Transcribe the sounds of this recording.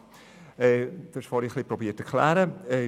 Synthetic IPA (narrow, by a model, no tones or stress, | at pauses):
ɛːd̥uʃfɑɾiχlipɾɔbiːətɛklæ̰ːɾəɛ